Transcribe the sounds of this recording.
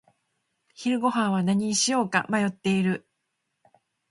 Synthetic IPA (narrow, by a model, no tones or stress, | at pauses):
çiɾɯ̟ɡo̞ɦãɰ̃β̞anaɲ̟iɕijo̞ːka̰majo̞t̪ːe̞iɾɯ̟